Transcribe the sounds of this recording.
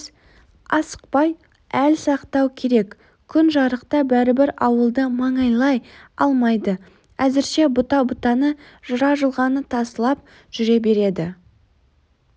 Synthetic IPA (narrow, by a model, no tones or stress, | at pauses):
ɑsə̥q̚pɑj | ælsɑqt̪ɑwkʲʰe̞ɾe̞kʲ | kʲʰʏnʒɑɾəqt̪ɑbæɾɪbɪɾɑwəlˠd̪əmɑɴɑjlˠɑjɑlˠmɑjd̪ə | æzɪɾʃe̞bʊt̪ɑbʊt̪ɑnə | ʒ̥əɾɑʒəlˠʁɑnət̪ʰɑsəlˠɑp̚ | ʒ̥ʏɾe̞be̞ɾe̞d̪ɪ